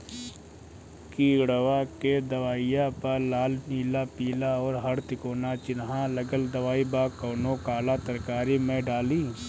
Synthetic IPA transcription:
kiːɽəʋaked̪ɐʋaːɪjapɐɾlaːlniːlapiːlaɔːɾɦɐɾt̪ɪkoːnat͡ʃɪnɦãlɐɡəld̪ɐʋaːibaːkoːnõkaːlat̪ɐɾkaːɾimẽɖaːlĩː

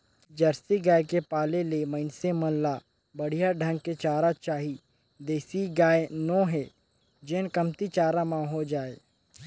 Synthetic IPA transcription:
d͡ʒɐɾsiɡaːjkepaːleleməɪnsemə̃nlaː | bɐɽ̤ijaɖʱɐ̃ŋɡket͡ʃaːɾat͡ʃaːɦi | d̪eːsiɡaːenɔ̃ɦɛː | d͡ʒenkəmt̪it͡ʃaːɾamãɦod͡ʒaːeː

